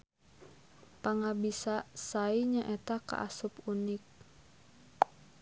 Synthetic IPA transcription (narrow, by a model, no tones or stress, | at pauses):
paŋabisasaiɲaʔɛt̪aka̰ʔasupunik̚